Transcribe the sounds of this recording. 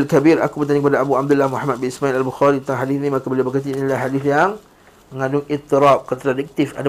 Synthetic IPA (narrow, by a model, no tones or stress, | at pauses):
lkabiɾa̰kubərt̪aɲikəpadaabuab̚d̪ulːahmuħamat̪̚binismailalbuxaɾit̪ənt̪aŋɦadiθnĩmakabəliabərkat̪iinilahɦadɪθjaŋ | məŋãdʊŋit̪ːiɾap̚kət̪ɾadək̚t̪ɪfa̰da